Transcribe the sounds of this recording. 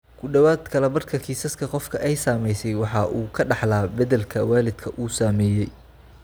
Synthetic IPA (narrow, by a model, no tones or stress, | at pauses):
kʰʊɖɐwaːd̪kʰɐlɛbɐrkʰɐkʰiːsɐskʰɐqɔfkʰɐʔɛjsaːmɛjsɛjwɑħɑʔuːkʰɐɖɑħlaːbɐðɛlkʰɐwaːlɪd̪̥kʰɐʔuːsaːmɛːjɛj